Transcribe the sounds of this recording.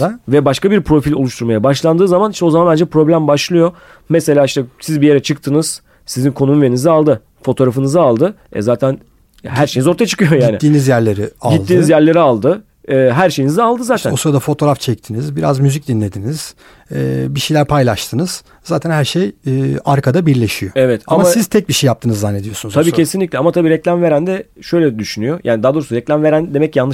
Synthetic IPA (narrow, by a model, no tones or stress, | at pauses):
avɛbaʃkabiɾpʰɾo̞filʲo̞lˠuʃt̪ʰuɾmajabaʃlˠand̪ɯːzamaniʃt̪ɛo̞zamanand͡ʒapɾo̞blʲæmbaʃlˠɯjo̞ | mɛse̞lʲaːiʃt̪ɛsizbije̞ɾɛt͡ʃʰɯk̚t̪ʰɯnɯz̥ | sizinkʰo̞numuvenizialˠd̪ɯ | fo̞t̪ʰo̞ɾafɯnɯzɯalˠd̪ɯɛ̰zaːt̪ʰæn | ɦæɾʃejnizo̞ɾt̪ʰajat͡ʃɯ̥kɯjo̞jaiːnɪ̰ːiːnizjæɾlʲe̞ɾiaɟit̪ˠd̪ːiːnizjæɾlʲe̞ɾialˠd̪ɯː | ɦæɾʃe̞jinizalˠd̪ɯzaːt̪ʰænusuɾad̪afo̞t̪ʰo̞ɾaft͡ʃʰɛc̚t̪ʰinizbiɾazmyzic̚d̪inlːʲe̞d̪iniz̥ | ɛbiʃejlʲæɾpʰajlˠaʃt̪ʰɯnɯz̥ | zaːt̪ʰænhæɾʃejɛːaɾkʰad̪abiɾlʲe̞ʃijoɛvɛt̪ʰamasiz̥t̪ʰɛc̚biʃejːap̚t̪ʰɯːnɯzːanːed̪ijo̞sunuzʰabiːcʰe̞sinlʲiclʲɛamat̪ʰabiːɾɛclʲamve̞ɾænd̪ɛʃø̞jlʲɛd̪yʃynyjojʔaːnid̪aːd̪o̞ɾusuɾɛclʲamve̞ɾænd̪e̞mɛcjanlːˠɯ